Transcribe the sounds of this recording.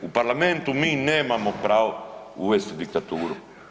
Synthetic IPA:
ʊpaɾlamẽnt̪ʊmĩnemamopɾaw | uest̪d̪ik̚t̪at̪uɾʊ

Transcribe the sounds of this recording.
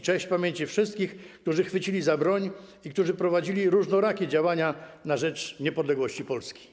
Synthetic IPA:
t͡ʂɛ̃ɕt͡ɕpamʲjeɲt͡ɕifʂɘst̪̚kʲixk̚t̪uʐɘxfɘt͡ɕilʲizabɾɔɲ | ikt̪uʐɘpɾɔvad͡ʑilʲiɾuʐnɔɾakʲid͡ʑawaɲanaʐɛt͡ʂɲɛpɔd̪lɛɡwɔɕt͡ɕipɔlskʲi̥

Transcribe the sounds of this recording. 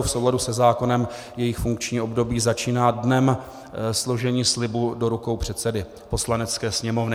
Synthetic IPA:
fso̞wladusɛzaːko̞nɛm | jɛjɪxfuŋkt͡ʃɲiːʔo̞bdo̞biːzat͡ʃiːnaːdnɛm | slo̞ʒɛɲiːslɪbudo̞ɾuko̞wpr̝̥ɛt̪sɛdɪ | po̞slanɛt͡skɛːsɲɛmo̞vnɪ

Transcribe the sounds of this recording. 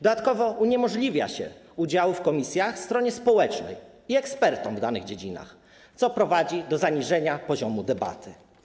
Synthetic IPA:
d̪ɔd̪at̪kɔvɔuɲɛmɔʐlʲivʲja̰ɕɛ̰ud͡ʑawufkɔmʲisʲjaxst̪ɾɔɲɛspɔwɛt͡ʂnɛ̰j | iɛkspɛɾt̪ɔmvd̪anɘɣd͡ʑed͡ʑina̰x | t̪sɔpɾɔvad͡ʑid̪ɔzaɲiʐɛɲapɔʑɔmud̪ɛba̰t̪ʰɘ

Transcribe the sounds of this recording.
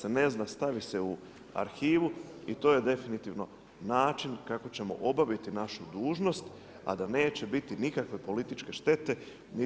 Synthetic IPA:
sene̞znast̪aʋise̞u | a̰ɾxiːʋuit̪o̞ːje̞d̪e̞finit̪iʋno̞ | naːt͡ʃinkako̞t͡ɕe̞mo̞̰ʔo̞baʋit̪inaʃud̪uːʒno̞st̪ | a̰d̪ane̞ːt͡ɕe̞bit̪inikakʋe̞po̞lit̪it͡ʃke̞ʃt̪e̞t̪e̞ | ni

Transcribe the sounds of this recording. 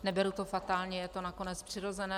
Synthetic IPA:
nɛbɛɾut̪ofat̪aːlɲɛjɛt̪o̞nako̞nɛt͡spr̥ɪɾo̞zɛnɛː

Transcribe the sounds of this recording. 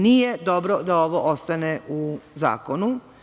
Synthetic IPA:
nijed̪o̞bɾod̪aoʋoʔost̪aneuza̰ːkonu

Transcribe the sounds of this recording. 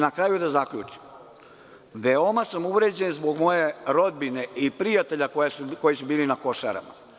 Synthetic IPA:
nakɾaːjud̪azakʎṵt͡ʃi̥m | ʋeo̞masamuʋɾe̞d͡ʑenzbo̞ɡmo̞je̞ɾo̞d̪̚bine̞ipɾijat̪e̞ʎakojesuko̞jisubiːlinako̞ʃa̰ɾa̰ma̰

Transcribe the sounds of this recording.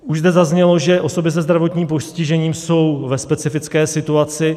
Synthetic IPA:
uʒzd̪ɛzazɲɛlo̞ʒɛʔo̞so̞bɪs̬ɛzd̪ɾavo̞t̪ɲiːmpo̞scɪʒɛɲiːmso̞wvɛspɛt͡sɪfɪt͡skɛːsɪt̪uat͡sɪ

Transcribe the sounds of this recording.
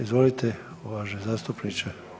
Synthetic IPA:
izʋolit̪ʰe | ʋaʃezaːst̪upnit͡ʃe

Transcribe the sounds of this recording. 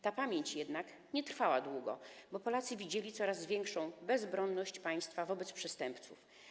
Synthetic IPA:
t̪apamʲjeɲt͡ɕjɛd̪nak | ɲɛt̪ɾfawad̪wuɡɔ̰bɔpɔlat̪sɘvʲid͡ʑelʲit̪sɔɾazvʲjɛŋkʂɔ̃w̃bɛzbɾɔnːɔɕt͡ɕpaj̃st̪favɔbɛt̪spʂɛst̪ɛmpt̪sṵf

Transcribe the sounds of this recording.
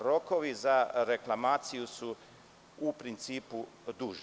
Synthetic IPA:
ɾokoʋizaɾeklˠamaːt̪sijusu | upɾint̪siːpu | d̪uːʒ

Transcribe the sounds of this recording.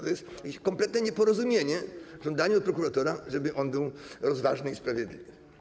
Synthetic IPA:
t̪ɔjɛst̪ | kʲekɔ̃mplɛt̪nɛɲɛpɔɾɔzumʲjeɲɛʐɔnd̪aɲɛɔt̪̚pɾɔkuɾat̪ɔɾaʐɛbɘʔɔnbɘwɾɔzvaʐnɨispɾavʲjɛd̪lʲḭvɘ

